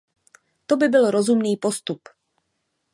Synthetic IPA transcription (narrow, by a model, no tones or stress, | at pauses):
t̪o̞bɪbɪlɾo̞zumniːpo̞st̪up